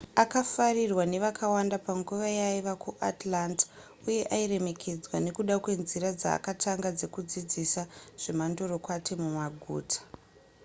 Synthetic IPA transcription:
akafarirwane̞ʋakʰawandapaŋɡuʋajaiʋakʰuʔatlant | uje̞ʔaire̞me̞kʰe̞d͡zwane̞kuɗakwe̞nziɾad͡za̰ːkatʰaŋɡad͡ze̞kud͡zid͡zisaʐ̥e̞mandoɾo̞kwatimumaɡʱṵːtʰḁ

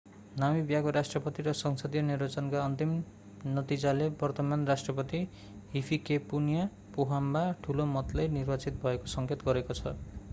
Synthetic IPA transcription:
namibjakoɾasʈrʌpʌt̪iɾʌsʌŋsʌd̪ijʌnirbat͡sʌnkaʌnt̪im | nʌt̪id͡zalebʌrt̪ʌmanrasʈrʌpʌt̪i | ɦipʰikepunija | poɦambaʈʰulomʌt̪lʌjnirbat͡sit̪̚bʱʌekosʌŋket̪ɡʌɾekot͡sʰʌ̰

